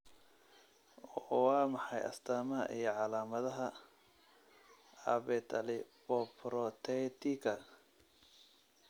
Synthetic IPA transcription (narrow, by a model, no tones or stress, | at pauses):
ɔwɑːmɑħɑjɐ̰st̪ʰaːmɐɐ̰ʔijɞʕɑlaːmɐðɐɦɐ | ɐ̰βɛt̪ʰɐlɪpɔpɾɔt̪ʰɛt̪ɪkʰɐ